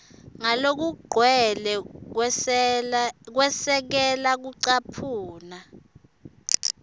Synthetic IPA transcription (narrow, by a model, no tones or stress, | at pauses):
ŋalok̬uɡ͡ǃʱwɛlɛ | k̬wɛsɛk̬ɛlak̬uǀapʰuːna